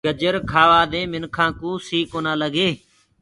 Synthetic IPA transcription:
ɡəd͡ʒəɾkʰaːʋaːd̪ẽːmɪnkʰãːkũːsiːkoːnãːləɡeː

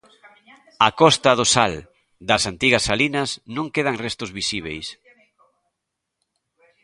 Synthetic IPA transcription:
akɔst̪ɐðosal | d̪ɐsant̪iɣɐsalinɐsnõŋkeð̞aŋrest̪ʊzβisiβ̞ḛjs

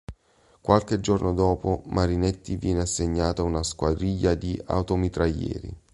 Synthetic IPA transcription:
kwalk̟ed͡ʒornʔod̪ɔːpomʔaɾinet̪ːivjɛːneasːeɲːaːt̪aunaskwad̪ɾiʎːad̪ia̰wt̪omit̪ɾajɛ̰ːɾḭ

